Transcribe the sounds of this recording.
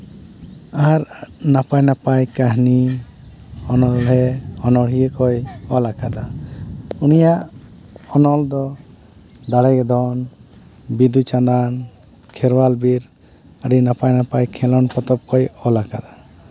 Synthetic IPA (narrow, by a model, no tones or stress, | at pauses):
aɾnapajnapajkaɦni | ɔnɔlɦɛɔnɔɽɦijekɔjɔlakad̪a | unijaʔ | ɔnɔld̪ɔ | d̪aɽɛɡd̪ɔn | bid̪ut͡ʃand̪an | kʰɛɾwalbiɾ | əɖinapajnapajkʰɛlɔnpɔt̪ɔp̚kɔjɔlakad̪a